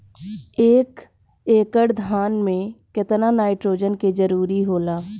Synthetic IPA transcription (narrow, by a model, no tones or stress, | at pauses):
eːk | eːkəɽd̪ʱaːnmẽkɪt̪nanaːɪʈɾoːd͡ʒənked͡ʒəɾuːɾiɦoːlaː